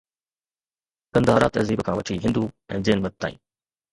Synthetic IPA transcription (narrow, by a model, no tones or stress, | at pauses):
kɐ̃nd̪aːɦɐɾa̰ːt̪ɐ̰ziːbkʰãːʋɐt͡ɕʰiɦɪ̃nd̪uɛ̰̃ːd͡ʑeːnmɐt̪̚t̪ːã̰ːḭ̃ː